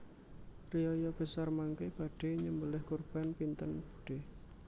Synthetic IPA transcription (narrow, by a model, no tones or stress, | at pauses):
riɔjɔb̥əsarmaŋkeb̥a̤ɖ̥e̤ɲəmbəlɪhkurb̥a̤npint̪ənb̥uɖ̥e